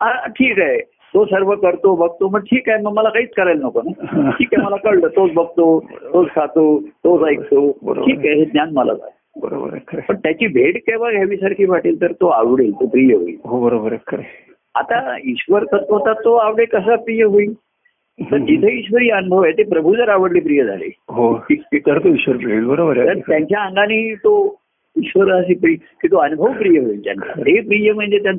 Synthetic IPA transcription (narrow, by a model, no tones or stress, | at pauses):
aʈʰiːkaɦe | t̪osəɾʋəkəɾt̪obəɡ̚t̪oməɡʈʰiːkaeməɡməlakaiːt͡skəɾajlnɔkonaʈʰiːkaməlakəɽʈ̪əːt̪od͡zbəɡ̚t̪ot̪od͡zkʰat̪ot̪ot͡sajk̚t̪ob̰ʈʰiːkaɦeɦet̪njanməla̰d͡za̰t̪ | bəɾo̰b̰ɾpəɳt̪jat͡ɕiːbʱeɽkeʋaɡʱaʋiːsaɾkʰiːbaʈiːlt̪əɾt̪oa̰ʋɽelt̪opɾijəɦo̰ḭːɦobəɾobəɾ | at̪aiɕʋəɾk̪ət̪ɦot̪at̪ːoaʋɽekəs̬əpɾijəɦoiː | t̪əɾd͡ʑit̪ʰəiɕʋəɾiːənubʱəʋajt̪epɾəbʱud͡zəɾaʋəɽliːpɾijəd͡zʱa̰lḛɦoit̪əɾt̪oiɕʋəɾpɾilbəɾobəɾat̪əɾjãɲt͡ɕjaəŋɡaniːt̪o | iɕʋəɾəs̬iːpɾi | kiːt̪oənubʱəʋpɾijəɦoilt̪ja̰na̰t̪epɾijəm̤əɳd͡zet̪jan